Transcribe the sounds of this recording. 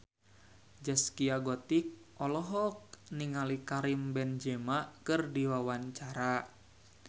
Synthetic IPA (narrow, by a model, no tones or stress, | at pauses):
d͡ʒəskiaɡɔt̪ik̚ | ʔɔlɔɦɔk̚niŋalikaɾimbɛnd͡ʒɛmaʔkɨrdiwawaɲt͡ʃaɾa